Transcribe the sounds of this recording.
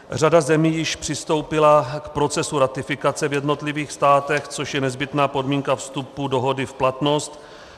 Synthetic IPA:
r̝adazɛmiːjɪʃpr̝̥ɪst̪o̞wpɪlakpɾo̞t͡sɛsuɾat̪ɪfɪkat͡sɛvjɛdno̞t̪lɪviːxst̪aːt̪ɛxt͡so̞ʃjɛnɛzbɪt̪naːpo̞dmiːŋkafst̪upudo̞ɦo̞dɪfplat̪no̞st̪

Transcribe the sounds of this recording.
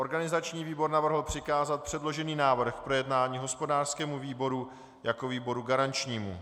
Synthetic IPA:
ʔo̞ɾɡanɪzat͡ʃɲiːviːbo̞ɾnavr̩ɦl̩pr̝̥ɪkaːzat̪̚pr̝̥ɛdlo̞ʒɛniːnaːvr̩xpɾo̞jɛdnaːɲiːɦo̞spo̞daːrskɛːmuviːbo̞ɾu | jako̞viːbo̞ɾuɡaɾant͡ʃɲiːmṵ

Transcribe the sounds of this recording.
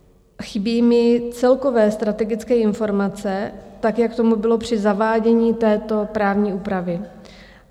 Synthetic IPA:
xɪbiːmɪt͡sɛlko̞vɛːst̪ɾat̪ɛɡɪt͡skɛːɪnfo̞ɾmat͡sɛt̪akjak̚t̪o̞mubɪlo̞pr̝̥ɪzavaːɟɛɲiːt̪ɛːt̪o̞pɾaːvɲiːʔuːpɾavɪ

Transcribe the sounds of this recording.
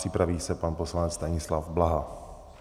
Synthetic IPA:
r̥ɪpɾaviːsɛpanpo̞slanɛt͡st̪aɲɪslafblaɦa

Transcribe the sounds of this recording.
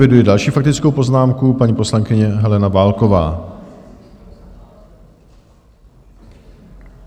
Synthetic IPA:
ɪdujɛdalʃiːfak̚t̪ɪt͡skowpo̞znaːmkupaɲiːpo̞slaŋkɪɲɛɦɛlɛnavaːlko̞va̰ː

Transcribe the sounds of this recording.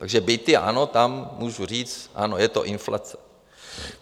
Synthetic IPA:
t̪aɡʒɛbejt̪ɪʔa̰not̪amːuːʒuriːt͡sʔa̰nojɛt̪o̰ʔɪnfla̰t͡sɛ̥

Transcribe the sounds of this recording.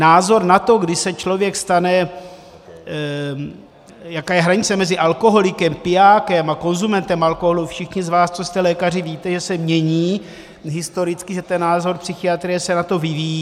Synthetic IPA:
naːzo̞ɾnat̪o̞ɡdɪsɛt͡ʃlo̞vjɛkst̪anɛ | jakaːjɛɦɾaɲɪt͡sɛmɛzɪʔalko̞ɦo̞lɪkɛmpɪaːkɛmako̞nzumɛnt̪ɛmalkoɦolufʃɪxɲɪzvaːst͡sost̪ɛlɛːkar̝ɪviːt̪ɛʒɛsɛmɲɛɲiː | ɦɪst̪o̞ɾɪt͡skɪʒɛt̪ɛnːaːzo̞ɾpsɪxɪat̪ɾɪjɛsɛnat̪o̞vɪvijiː

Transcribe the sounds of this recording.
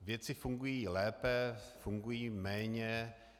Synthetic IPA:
vjɛt͡sɪfuŋɡujiːlɛːpɛfuŋɡujiːmɛːɲɛ

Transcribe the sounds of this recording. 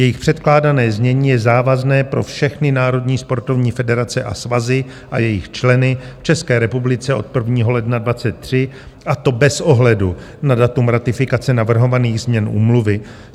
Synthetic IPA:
jɛjɪxpr̝̥ɛt̪klaːdanɛːzmɲɛɲiːjɛzaːvaznɛːpɾo̞fʃɛxnɪnaːɾo̞dɲiːspo̞ɾt̪o̞vɲiːfɛdɛɾat͡sɛʔa̰svazɪ | ʔa̰jɛjɪxt͡ʃlɛnɪft͡ʃɛskɛːɾɛpublɪt͡sɛʔo̞̰t̪̚pr̩vɲiːɦo̞lɛdnadvat͡sɛt̪̚ːr̝̥ɪ | ʔat̪o̞bɛsʔo̞ɦlɛdu | nadat̪umɾat̪ɪfɪkat͡sɛnavr̩ɦo̞vaniːɣzmɲɛnʔṵːmluvɪ

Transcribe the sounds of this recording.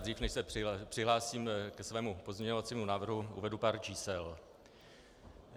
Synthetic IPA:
d̪riːfnɛʃsɛɪpr̥ɪɦlaːsiːmkɛsvɛːmupo̞zmɲɛɲovat͡siːmunaːvr̩ɦuʔṵvɛdupaːɾt͡ʃiːsɛl

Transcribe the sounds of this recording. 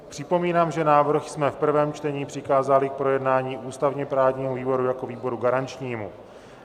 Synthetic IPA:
pr̥ɪpo̞miːnaːmʒɛnaːvr̩xsmɛfpr̩vɛːmt͡ʃt̪ɛɲiːpr̥ɪkaːzalɪk̚pɾo̞jɛdnaːɲiːʔuːst̪avɲɛpɾaːvɲiːmuviːbo̞ɾujako̞viːbo̞ɾuɡaɾant͡ʃɲiːmṵ

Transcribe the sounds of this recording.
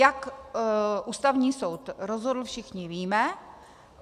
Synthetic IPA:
jak | ʔuːst̪avɲiːso̞wt̪ɾozɦodl̩fʃɪxɲɪviːmɛ

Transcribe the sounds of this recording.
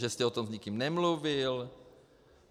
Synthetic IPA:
ʒɛst̪ɛot̪omzɲikimnɛmluvɪl

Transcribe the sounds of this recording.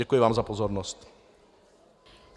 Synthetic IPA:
ɛkujɪvaːmzapozoɾnost̪

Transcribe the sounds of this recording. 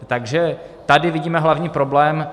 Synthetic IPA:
t̪aɡʒɛt̪adɪvɪɟiːmɛɦlavɲiːpɾo̞blɛːm

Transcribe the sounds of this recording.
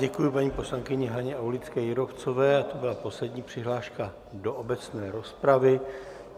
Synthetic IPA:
ɟɛkujɪpaɲiːpo̞slaŋkɪɲɛɦaɲɛawlɪt͡skɛːjɪɾoft͡so̞vɛːat̪obɪlapo̞slɛdɲiːpr̝̥ɪɦlaːʃka | do̞ʔobɛt͡snɛːɾo̞spɾavɪ

